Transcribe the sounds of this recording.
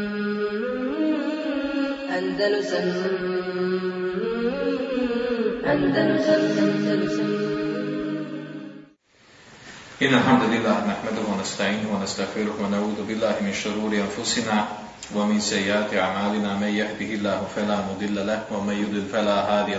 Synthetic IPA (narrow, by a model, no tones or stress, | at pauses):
ʔand̪a | ʔand̪ | ʔɪnːalħamd̪alɪlːaːhnaħmad̪ʊhwanast̪aʕiːnwanast̪aɣfɪɾʊhwanaʕuːðʊbɪlːaːhɪmɪnʃʊɾuːɾɪʔanfʊsɪnaː | wamɪnsajːɪʔaːt̪ɪʔaʕmaːlɪnaːmanjahd̪ɪhɪlːaːhʊfalaːmʊd̪ˤɪlːalahwamanjʊd̪ˤɪlfalaːɦaːðɪja